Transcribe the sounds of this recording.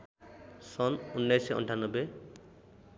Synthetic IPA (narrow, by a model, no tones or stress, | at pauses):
sɔnunːajseʔɔ̰ɳʈʰanːɔbe